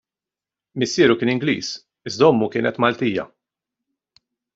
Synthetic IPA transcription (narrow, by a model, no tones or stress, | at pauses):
mɪsːiːɾukɪːnɪŋɡlḭːs | ɪzd̪ɔmːukɪːnɛt̪mɐlt̪iːjɐ̰